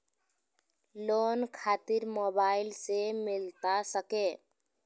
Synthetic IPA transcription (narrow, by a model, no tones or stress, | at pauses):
loːnkʰaːt̪ɪɾmoːbaːɪlsemɪlt̪asəkẽː